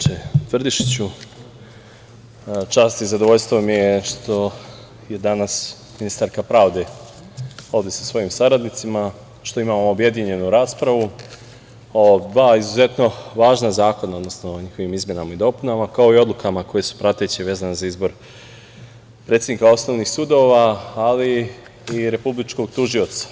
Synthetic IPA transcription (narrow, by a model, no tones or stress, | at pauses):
et̪ʋr̩d̪iʃt͡ɕu | t͡ʃaːst̪izad̪oʋo̞ʎst̪ʋomijeʃt̪o̞ | je̞d̪anas | minist̪aɾkapɾaːʋd̪e̞ | o̞ʋd̪esasʋo̞jimsaɾad̪nit̪sima | ʃt̪o̞imaːmoːbje̞d̪iɲe̞nuɾaːspɾaʋu | od̪ʋaːizuze̞t̪no̞ʋaːʒnazaːko̞nao̞d̪nosnoːɲixo̞ʋimizmje̞namaid̪o̞punamakao̞io̞d̪lˠukamako̞jesu̥pɾat̪e̞t͡ɕiʋeːzanezaizbo̞ɾ | pɾe̞t̪jed̪nikao̞sno̞ʋnixsud̪o̞ʋaːliː | ɾe̞publit͡ʃko̞ɡt̪uʒio̞t̪sḁ